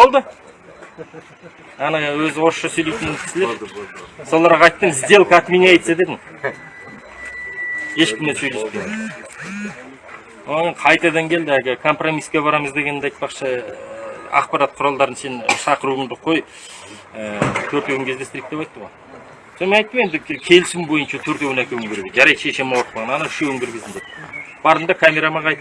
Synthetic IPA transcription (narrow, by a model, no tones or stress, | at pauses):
bo̞lˠd̪ə | ɑnɑwɵzɪwo̞ɾʃːɑsɵjlejt̪ɪnɪkʲʰɪ̥sɪle | so̞lˠɑɾʁɑɑjt̪ːəmɪzd̪e̞lˠkɑt̪mineejt̪sed̪e̞d̪ɪŋ | e̞ʃkʲɪmd̪esɵjle̞skʲen | onʲɪɴqʰɑjt̪ɑd̪ɑŋkʲʰe̞ld̪ɪæɡʲekʰo̞mpro̞mijskʲe̞bɑɾɑməzd̪e̞ɡʲe̞nd̪ɑjt̪̚pɑqʃə | ɑ̰qpɑɾɑt̪̚qʰʊɾɑlˠd̪ɑɾənse̞nʃɑqəɾuəɴd̪əqʰo̞j | ət̪ʰɵɾt̪ekʲɪŋkʲʰe̞zd̪e̞st̪ɪɾik̚t̪ːeɑjt̪ːəʁo̞j | sonmeɑjt̪ːəme̞nd̪ɪkʲʰe̞lɪsɪmbo̞jənʃɑt̪ʰɵɾt̪ewʲɪnækʲewŋɡʲeɾɡeʒɑɾɑjʃeʃe̞mɑwq̚pɑʁɑnɑnɑɪʃewɵŋɡʲɪɾɡʲɪzd̪ɪnd̪et̪b̥ɑɾənd̪ɑkʰamʲe̞ɾamɑʁʰɑjt̪